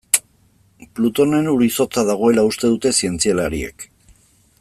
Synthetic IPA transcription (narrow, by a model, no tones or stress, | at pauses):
plut̪o̞ne̞nuɾiso̞t͡saðaɣ̞o̞e̞laust̪e̞ðut̪e̞sie̞nt͡sialaɾie̞̰k